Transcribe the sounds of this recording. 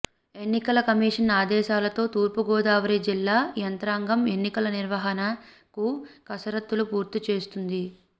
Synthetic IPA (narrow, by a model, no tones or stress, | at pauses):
e̞nːikɐlɐkɐmiːʂɐnaːd̪ɛːʃaːlɐt̪o̞ːt̪uːɾpuɡɔːd̪aːʋɐɾid͡ʒilːaːjɐnt̪ɾaːŋɡɐme̞nːikɐlɐniɾʋɐɦɐnɐ | kukɐsɐɾɐt̪ːulupuːɾt̪it͡ʃe̞ːst̪und̪i